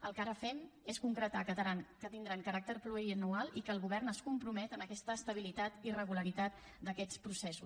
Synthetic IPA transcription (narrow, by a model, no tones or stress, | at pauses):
əlˠkaɾəfɛmeskuŋkɾət̪akət̪əɾaŋkət̪ind̪ɾaŋkəɾak̚t̪ərpluɾiənualˠikəːlˠɣuβ̞ɛrnəskumpɾumɛt̪ənəkɛst̪əːst̪əβ̞ilit̪at̪irəɣuləɾit̪at̪ | d̪əkɛt͡spɾusɛsus